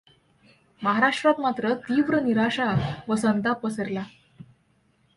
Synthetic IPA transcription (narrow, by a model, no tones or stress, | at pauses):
məɦaɾaʂʈɾat̪mat̪ɾət̪iːʋɾəniɾaɕatʋəsənt̪apʋəsəɾla